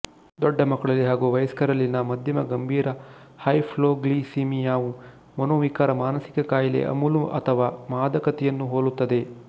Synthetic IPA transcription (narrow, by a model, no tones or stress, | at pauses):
d̪ɔɖːɐmɐkːɐɭɐlːiɦaːɡuʋɐjɐskɐɾɐlːinɐmɐd̪ʱjɐmɐɡɐmbʱiːɾɐ | hɐjpʰloːɡliːsiːmijaːʋu | mɐnoːʋikaːɾɐmaːnɐsi̥kɐkaːjɐlḛʔɐ̰muluʔɐ̰t̪ʰɐʋaːmaːd̪ɐkɐt̪ɛjɐnːuɦoːlut̪ːɐd̪e̞